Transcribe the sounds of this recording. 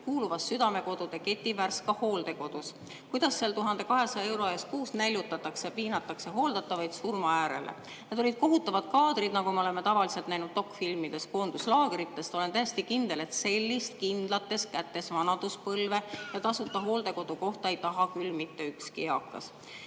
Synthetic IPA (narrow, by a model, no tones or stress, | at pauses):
kuːluvɑsːyd̪̥ɑme̞ko̞d̪̥ud̪̥e̞ke̞t̪ʲːˑiværskɑho̞ːld̪̥e̞ko̞d̪̥us | kujd̪̥ɑsːeɑlt̪uɦɑnd̪̥e̞kɑɦe̞sɑe̞wɾo̞ɑjeskuːsnælʲjut̪ːˑɑt̪ːˑɑksjɑpiːnɑt̪ːˑɑkseɦo̞ːld̪̥ɑt̪ːˑɑvɑjd̪̥surmɑæːɾe̞̰lḛ | ned̪o̞lʲid̪̥̚ko̞ɦut̪ːˑɑvɑd̪̥̚kɑːd̪̥rid̪nɑɡumeole̞me̞t̪ɑvɑlise̞lt̪næjnud̪̥t̪o̞kːˑfilmid̪̥e̞sko̞ːnd̪̥uslɑːɡ̥eɾit̪ːe̞st̪o̞le̞nt̪æjest̪ikind̪̥e̞le̞t̪se̞lʲːist̪kind̪̥lɑt̪ːˑe̞skæt̪ːe̞svɑnɑd̪̥uspɤlve̞jɑt̪ɑsut̪ːˑɑɦo̞ːld̪̥e̞ko̞d̪̥uko̞ht̪ɑejt̪ɑɦɑkylːmit̪ːe̞ykskiɑkˑːɑ̰s